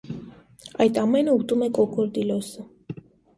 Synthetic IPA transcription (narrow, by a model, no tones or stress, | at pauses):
ajt̪ʼamɛnəut̪ʼumɛkʼɔkɔɾd̪ilɔsə